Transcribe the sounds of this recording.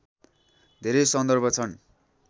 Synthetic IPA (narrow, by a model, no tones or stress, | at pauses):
d̪ʱeɾejsʌnd̪ʌrbʱʌt͡sʰʌn